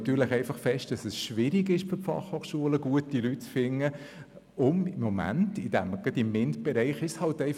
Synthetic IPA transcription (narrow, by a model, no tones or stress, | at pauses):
t̪yːɾləχɛɪfɑχfɛʃt̚d̥ɑsɛsʃʋɪɾiɡɪʃb̥ɪpfɑ̰χhoːχʃuələɡ̥uətilyt̚t͡sfɪnːə | ʊmɪmːɔmæ̰ntɪd̥æmɡ̥ɑdɪmːɪntb̥ɛɾɛɪχɪʃshɑltɛɪ